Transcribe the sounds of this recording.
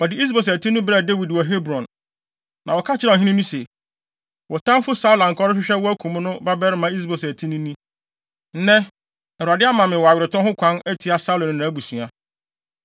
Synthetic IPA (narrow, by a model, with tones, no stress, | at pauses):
ɔ˨dɪ˨i˦s̬bo˨s̬æ˨tʰi˦nʊ̃˦bɾɛ˨de˦wi˨dwɔ˨ɦe˦bɾɔ̃˨nː | ã˨wɔ˨kʰa˦t͡ɕʰɪ˦ɾɛ˨ɦĩ˦nĩ˦nũ˦se˨ | wʔɔ˨tʰã˦mfʊ˦sa˦wlã˨ŋ̩˨kʰɔ˦ɾɪ˦ɕᶣɪ˦ɕᶣɛ˦wɔ˦æ˦kʰũ˨m̃˦nʊ̃˦ba˦bɛ˦ɾmã˦i˦s̬bɔ˨sæ˨tʰĩ˦nũ˦nĩ˦ | n̩˦nɛ̃˦ | ɛ˨ɾu˨a˨dɪ˦a˦mã˨mɪ̃˨wɔ˨a˨ɥɪ˨ɾɪ˨tʰɔ̃˦hʊ˦kʷʰã˦næ˦tʰi˨˦a˦sa˦lõ˨nʊ̃˨nã˨˦ɡu˨sũ˨a˨